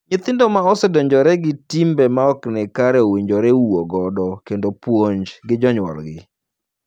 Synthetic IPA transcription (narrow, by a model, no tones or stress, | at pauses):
ɲɪt̪ɪndɔmaɔsɛdɔɲd͡ʒɔɾɛɡɪtimbɛmaɔknɪkaɾɛowiɲd͡ʒɔɾɛwoɡɔdɔkendopwoɲd͡ʒɡɪd͡ʒɔɲwɔ̰lɡɪ